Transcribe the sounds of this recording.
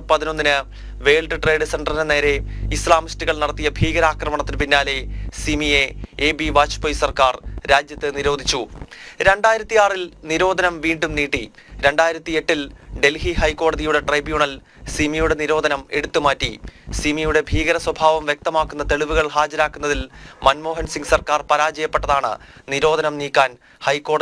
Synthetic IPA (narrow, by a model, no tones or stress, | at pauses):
pɐðino̞nːinɨ | ʋe̞ːɭɖɨʈre̞ːɖɨseɳɖrɐnne̞ːɾe̞islaːmistɨɣɐɭnɐɽɐt̪ːijɐbʱiːɣɐɾaːkrɐmɐɳɐt̪ːinpinːaːle̞simijeeːbiʋaːt͡ɕu̥pojsɐrkaːrɾaːd͡ʑjɐt̪ːɨniɾo̞ːd̪ʱit͡ɕːuɾe̞ɳɖaːjiɾɐt̪ːijaːrilniɾo̞ːd̪ʱɐnɐmʋiːɳɖumniːʈːi | ɾe̞ɳɖaːjiɾɐt̪ːie̞ʈːilɖe̞lhihɐjkːo̞ːɽɐðijuɽe̞ʈrɐjbjuːɳɐl | simijuɽe̞niɾo̞ːd̪ʱɐnɐmeɽut̪ːumaːtːisimijuɽe̞bʱiːɣɐɾɐswɐbʱaːʋɐmʋjek̚t̪ɐmaːkːunːɐt̪e̞ɭiʋuɣɐɭhaːd͡ʑɐɾaːkːunːɐðilmɐnmo̞ːɦɐnsiŋɡɨsɐrkaːrpɐɾaːd͡ʑɐjɐpːeʈːɐðaːɳɨ̰niɾo̞ːd̪ʱɐnɐmniːkːaːn | hɐjkːo̞ːɽɐ